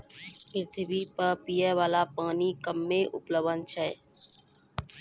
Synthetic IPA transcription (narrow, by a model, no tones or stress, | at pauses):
pɾɪt̪ʰbiːpəɾpiːɛːʋaːlaːpaːniːkəmːẽːʔʊpləʋənt͡ʃʰɛː